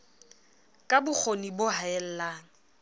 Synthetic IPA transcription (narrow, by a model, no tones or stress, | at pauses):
kʼabʊk͡xʰonibʊɦaɛl̩laːŋ̩